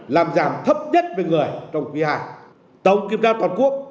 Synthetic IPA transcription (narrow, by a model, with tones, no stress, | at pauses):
laː˨˩mzaː˨˩mt̪ʰə˦˥p̚ɲə˦˥t̚ve˨˩ŋɨ˨˩əjt͡ɕɔ˧wŋ͡mki˧haː˧˩j | t̪ə˨˦wŋ͡mki˨˩əp̚zaː˧wt̪waː˨˩nku˦˥ək̚